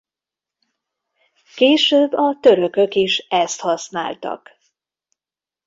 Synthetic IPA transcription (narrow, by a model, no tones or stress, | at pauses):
keːʃøːbːɒt̪øɾø̞kø̞kiʃɛst̪hɒsna̰ːlt̪ɒ̰k